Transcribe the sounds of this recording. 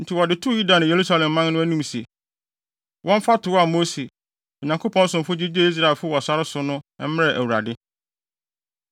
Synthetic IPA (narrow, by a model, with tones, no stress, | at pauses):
n̩˨tʰɪ˨wɔ˨dɪ˨tʰu˦˨ju˦da˨nʊ̃˨je˨ɾu˦sa˦lɛ̃˨mː˦ã˦nnʊ̃˦æ˦nũ˦m˨se˨ | wʔɔ̃˦m˦fa˦tʰʊ˨wa˨mo˦se˨ | ɔ˨ɲã˨ŋkʰo˦pʰɔ̃˦n̩˦sʊ̃˨m̩˨fʊ˦d͡ʑi˦d͡ʑe˦i˦s̬ɾa˦˨lfʊ˦wɔ˨sa˦ɾɪ˦sʊ˦nʊ̃˦ɛ˦m̩˦m˦ɛ˨ʔæ˨wu˨ɾa̰˨dɪ˦